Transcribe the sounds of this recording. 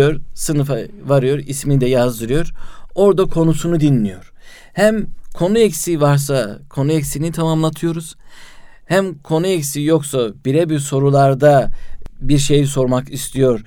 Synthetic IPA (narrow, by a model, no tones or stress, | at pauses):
oɾsɯnɯfavaɾɯjo̞ɾismid̪ɛjazd̪ɯɾɯjo̞ɾo̞ɾd̪akʰo̞nusunud̪inlʲijo̞ɾ̥ | hæmkʰo̞nuɛcsivaɾs̬akʰo̞nuɛcsinit̪ʰamamlˠat̪ʰɯjo̞ɾuz̥ | hæmkʰo̞nuɛcsijo̞ksab̥iɾɛbiɾso̞ɾulˠaɾd̪abiɾʃe̞jiso̞ɾmakist̪ʰijo̞ɾ